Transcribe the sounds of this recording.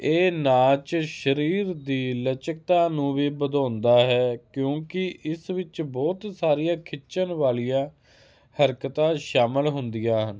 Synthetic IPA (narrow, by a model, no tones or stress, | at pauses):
eːnaːt͡ʃʃəɾiːɾd̪iːlət͡ʃək̚t̪ãːnũːʋiːbəd̪ãːnd̪aːɦɛːkjõːkɪʔɪsʋɪt͡ʃbɔːt̪saːɾijãːkʰɪt͡ʃənʋaːlijãː | həɾkt̪ãːʃaːmɪlɦʊnd̪ijaːɦən